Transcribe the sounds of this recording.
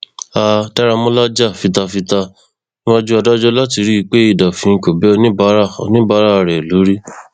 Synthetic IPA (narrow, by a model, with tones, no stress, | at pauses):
a˧tɛ˦ɾa˧mɔ̃˦la˦d͡ʒa˦˨fi˨˧ta˧fi˧ta˧ | nĩ˦wa˦d͡ʒu˦a˧da˦d͡ʒɔ˦la˦ti˧ɾi˦˧k͡pe˦i˦˧˨da˨fĩ˧ko˨bɛ˦ɔ˧nĩ˦ba˦ɾa˦ɔ̰˧nĩ˦ba˦ɾa˦˧˨ɾɛ˨lo˨˦ɾi˦